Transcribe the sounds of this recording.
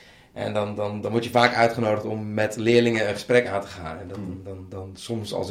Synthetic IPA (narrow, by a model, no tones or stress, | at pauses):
ʔɛ̰ndɑndɑndɑnʋɔɹtjəvaːkœɥtχənowdəχtɔmːɛtlɪːɹlɪŋənənχə̥sprɛkaːntə̥χa̰ːnɛ̰nddndɑnsɔmsɑ̰lˠs